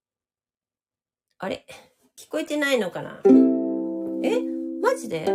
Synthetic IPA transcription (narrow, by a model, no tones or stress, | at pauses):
aɾe̞̰ | kʲi̥ko̞et̪e̞naino̞kana̰ | emad͡ʑid̪e̞